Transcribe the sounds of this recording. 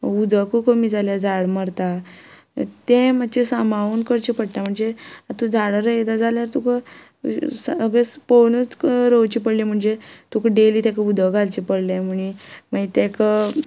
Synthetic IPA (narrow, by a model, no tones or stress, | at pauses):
ud̪ʱəkukəmiːd͡zaljad͡zaɽməɾt̪a | t̪ẽmət͡ɕesamaʋuːnkəɾt͡ɕipəɽt̪am̤əɳd͡zeat̪ũd͡zaɽəɾəjd̪ad͡zaljaɾt̪ukə | səɡesponət͡sɾowt͡ɕipəɽlim̤əɳd͡zet̪ukəɖeliːt̪ekəud̪ʱəɡʱalt͡ɕipəɽlem̤əɳ̃imait̪ekə